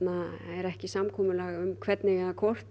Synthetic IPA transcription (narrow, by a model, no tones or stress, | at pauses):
naɛɾɛhcɪsamkʰɔːmʏlɛɣʏmkʰvɛt̪nɪɣaakʰɔr̥t̪